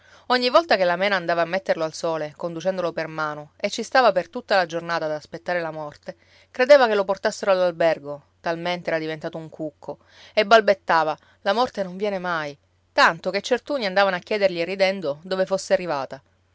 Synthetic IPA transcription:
oɲːivːɔlt̪akelːamɛːnaːnd̪aːvaːmːet̪ːerloalsoːlekond̪ut͡ʃɛnd̪olopermaːnoet͡ʃːist̪aːvapert̪ut̪ːalad͡ʒornaːt̪ad̪aːspet̪ːaːɾelamɔrt̪e | kɾed̪eːvakelːoport̪asːeɾoalːalbɛrɡo | t̪alment̪eɛːɾad̪ivent̪aːt̪ouŋkʰukʰːo | ebːalbet̪ːaːva | lamɔrt̪enoɱvjɛːnemaj | t̪ant̪oket͡ʃːert̪uːniand̪aːvanoakːjɛːd̪erʎierːid̪ɛnd̪od̪oːvefosːearːivaːt̪a

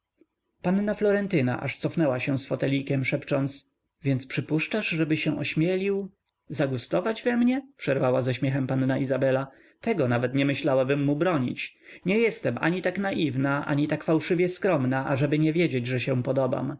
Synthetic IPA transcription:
panːnaflɔɾɛnt̪ɘna̰ʔa̰ʂt̪sɔfnɛwaɕɛ̃sfɔt̪ɛlʲikʲɛmʂɛpt͡ʂɔnt̪s | vʲjɛnt̪spʂɘpuʂt͡ʂaʐʐɛbɘɕɛ̃ʔɔɕmʲjɛlʲiw | zaɡust̪ɔvad͡ʑvɛmɲɛpʂɛɾvawazɛɕmʲjɛxɛmpanːaʔizabɛla | t̪ɛɡɔnavɛt̪ɲɛmɘɕlawabɘmːubɾɔɲḭt͡ɕ | ɲɛjɛst̪ɛmʔa̰ɲit̪aknaʔivnaʔa̰ɲit̪akfawʂɘvʲjɛskɾɔmnaʔaʐɛbɘɲɛvʲjed͡ʑed͡ʑʐɛɕɛ̃pɔd̪ɔba̰m

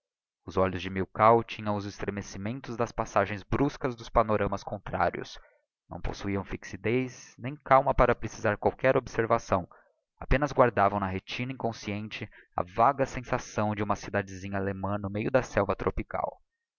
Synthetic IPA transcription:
ʊzɔʎʊzd͡ʒɪmiwkawt͡ʃĩɲɐ̃w̃ʊzɪst̪ɾemesimẽnt̪ʊzd̪ɐspasaʒẽj̃zbɾuskɐzd̪ʊspanoɾɐ̃mɐskõnt̪ɾa̰ɾiʊ̰s | nɐ̰̃w̃po̰suiɐ̃w̃fiksid̪ejsnẽj̃kawmɐpaɾɐpɾesizaɾkwawkɛɾobseɾvasɐ̃w̃ | apẽnɐzɡwaɾd̪avɐ̃w̃nɐɦet͡ʃĩnɐĩkõsiẽnt͡ʃɪ | ɐ̰vaɡɐsẽsasɐ̃w̃d͡ʒɪũmɐsid̪ad͡ʒɪzĩɲɐalemɐ̃nʊmejʊd̪ɐsɛwvɐt̪ɾʔopika̰w

